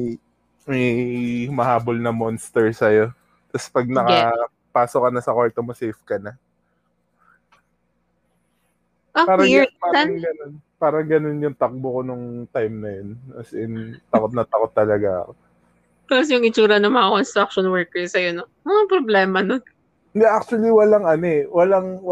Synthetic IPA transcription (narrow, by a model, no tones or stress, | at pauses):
mɛ | mɐhaːbolnɐmonst̪ɛɹsɐjo̞ | t̪ɐspɐɡ̚nɐkɐ | paːsokɐnɐsɐkoɹt̪ɛmosɛjfkɐnɐ | ʔopaːɾɐŋaːŋɡɐnonpaːɾɐŋɡɐno̞njʊŋt̪ɐk̚bokonʊŋt̪ajmnɐjonmɐsɪnt̪ɐkot̪̚nɐt̪ɐkot̪ːɐlɐɡaɐ̰ko | p̪ɐsjʊŋɪt͡ʃuːɾɐnɐmɐŋɐkonst̪ɾak̚ʃonwɛɹkɛsɐjono | mɐŋɐpɾoblɛːmɐno | ɪnd̪ɛʔak̚t͡ʃuɐliwɐlɐŋʔɐnoɛwɐlɐŋ